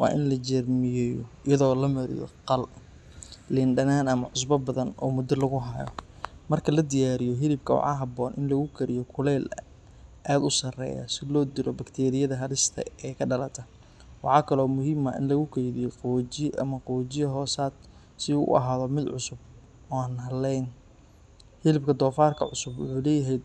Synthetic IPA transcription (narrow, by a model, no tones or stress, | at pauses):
wɑ̰ːʔɪnlɐt͡ʃɛrmɪjɛːjɔɪjɐðɔːlɐmɐɾɪ̰jɔ̰qɑl | lɪnɖɐnaːnɐmɐʕʊs̬bɐbɐðɐnɔ̰ːmʊd̪ɐlɐɣʊɦajɔ̰mɐrkʰɐlɐd̪ɪjaːɾɪjɔɦɪlɪb̚kʰɐwɑ̰ħɑːɦɐbɔːnʔɪnlɐɣʊkʰɐɾɪjɔkʰʊlɛːlɐ | ʔaːd̪ʊsɐrɛ̰ːjɐ̰sɪlɔːd̪ɪlʔɔbɐkt̪ʰɛːɾɪjɐðɐɦɐɾɪst̪ʰɐ̰ɛːkʰɐɖɐlɐt̪ʰɐ | wɑħɑːkʰɐlɔːmʊɦɪmɐ̰ɪ̰nlɐɣʊkʰɛjðɪjɔqɔd͡ʒɪʔɐmɐqɔːt͡ʃɪjɐɦɔːsaːd̪̥̚ | sɪʊ̰ʔɐ̰ɦaːðɔmɪd̪ʕʊsʊb̚ | ɔːaːnɦɐlːɛjn | hɪlɪbkʰɐd̪ɔːfaːrkʰɐʕʊsʊbwʊ̰ħuːlɛːjɐɦɛjd̪̚